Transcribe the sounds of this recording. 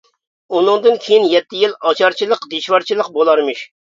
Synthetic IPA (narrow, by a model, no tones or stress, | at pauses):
unɨŋd̪ɨnkʲʰejinjɛt̪ʰːɪjilˠɑt͡ʃʰɑɾt͡ʃʰilˠəqd̪eʃʋɑɾt͡ʃʰilˠəq̚bolˠɑɾmɨʃ